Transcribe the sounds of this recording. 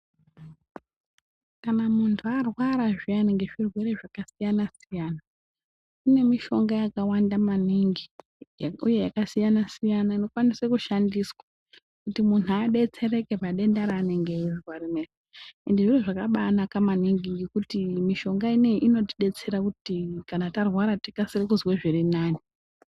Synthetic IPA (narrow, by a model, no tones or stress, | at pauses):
kanamuntʰuarwaɾaʐianiŋɡe̞ʐirwe̞re̞ʐakasijanasijana | une̞miʃo̞ŋɡajakawandamaniŋɡi | uje̞jakasijanasijanaino̞kwanisekuʃandiswa | kutimunuaɗet͡se̞ɾe̞ke̞paɗe̞ndaɾaːneŋɡeiriwarimeriendeʐiroʐakaɓaːnakamaniŋɡiŋɡekutimiʃo̞ŋɡaine̞iʔino̞tiɗe̞t͡se̞ɾakutikanatarwaɾati̥kasirikuzweʐirinaːni